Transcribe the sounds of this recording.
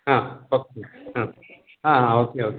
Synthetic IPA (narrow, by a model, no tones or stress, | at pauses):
ɦãokeɦã | ɦãɦãokeoːk